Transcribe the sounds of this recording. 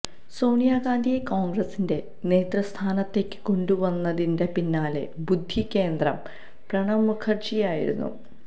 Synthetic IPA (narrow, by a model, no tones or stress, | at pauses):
so̞ːɳijaːɡaːnd̪ijekoːŋɡrɐsinde̞ | ne̞ːt̪rɐst̪ʰaːnɐt̪ːe̞kːɨ̥ko̞ɳɖuʋɐnːɐðinde̞pinːaːlḛbud̪ʱːikʲːe̞ːnd̪rɐm | prɐɳɐmːukʰɐrt͡ɕijaːjḭɾṵnːṵ